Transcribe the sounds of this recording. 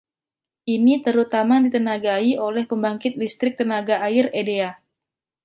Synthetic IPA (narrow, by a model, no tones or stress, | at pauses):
ʔinit̪əɾut̪amadit̪ənaɡaiʔolɛhpəmbaŋkɪt̪̚dist̪ɾɪk̚t̪ənaɡaːɪredea